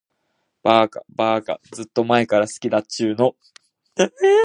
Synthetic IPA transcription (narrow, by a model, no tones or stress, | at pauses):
b̥aːka̰baːka̰d͡zɨt̪ːo̞mae̞kaɾasɨ̥kʲid̪at͡ɕɨːno̞